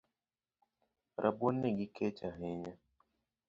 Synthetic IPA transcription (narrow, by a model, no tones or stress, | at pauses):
ɾʔaboneɡikʰɛt͡ʃaɦeɲa